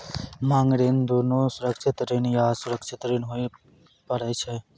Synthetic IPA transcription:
mãːŋɡɾend̪unusʊɾəkʃɪt̪ɾinjasʊɾəkʃʰɪt̪ɾinɦoi | pəɾɛt͡ʃʰe

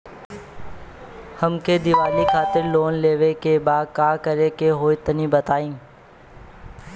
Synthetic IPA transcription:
həmked̪ɪʋaːlikʰaːt̪ɪɾloːnleːʋekebaːd̪̚kaːkəɾekeɦoːit̪ənĩːbət̪aːĩː

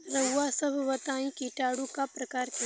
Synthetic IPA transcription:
ɾɐwasɐbʱʋɐt̪ãːĩkiʈaːɽũkapɾɐkaːɾki

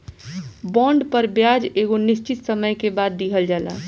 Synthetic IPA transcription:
bɔ̃ːɳɖpəɾbjaːd͡ʒeːɡonɪst͡ʃɪt̪səməjkebaːd̪ːiɦəld͡ʒaːla̰ː

